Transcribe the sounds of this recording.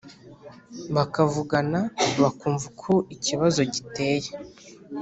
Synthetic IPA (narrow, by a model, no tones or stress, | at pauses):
βakavuɡanaβakuːɱvukʰoiciβazo̞ɟite̞ːje